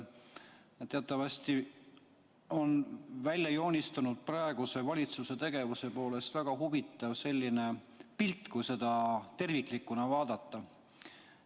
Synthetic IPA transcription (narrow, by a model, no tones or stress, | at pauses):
t̪ːe̞ɑt̪ːˑɑvɑsʲt̪i | o̞nvælʲjɑjo̞ːnʲist̪ɑnud̪̥̚prɑe̞ɡ̥use̞vɑlʲit̪suse̞t̪eɡ̥e̞vuse̞po̞ːle̞st̪væɡ̥ɑɦuvit̪ːˑɑvse̞lʲːine̞ | pilt̪ːˑkujse̞d̪̥ɑt̪e̞rvikˑlikːˑunɑvɑːd̪ɑt̪ːˑɑ